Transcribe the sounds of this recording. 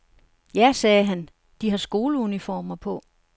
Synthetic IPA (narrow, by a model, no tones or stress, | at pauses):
jæsɛːɦæn | d̥iɦɑ̈sɡ̥o̝ːləunifɒ̰ːmɐpʰɔ̽